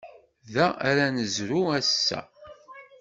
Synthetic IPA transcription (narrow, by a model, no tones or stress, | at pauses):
ðææɾænəzɾuæsːæ̰